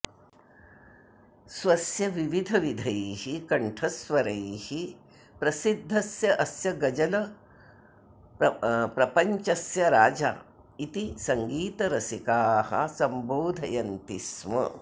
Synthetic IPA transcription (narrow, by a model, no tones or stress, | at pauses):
sʋɐsjɐʋiʋid̪ʱɐʋid̪ʱɐjhikɐɳʈʰɐsʋɐɾɐjhi | pɾɐsid̪ʱːɐsjɐʔɐsjɐɡɐd͡ʒɐlɐ | pɾɐpɐɲt͡ʃɐsjɐɾaːd͡ʒa̰ː | it̪isɐŋɡiːt̪ɐɾɐsikaːhɐ̰sɐmboːd̪ʱɐ̰jɐnt̪ismɐ̰